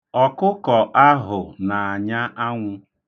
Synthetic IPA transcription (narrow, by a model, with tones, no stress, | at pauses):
ɔ˨kʊ˦kɔ˨ʔa˦ɦʊ˨na˨a˨ɲa˦ʔa˦ŋʷʊ˦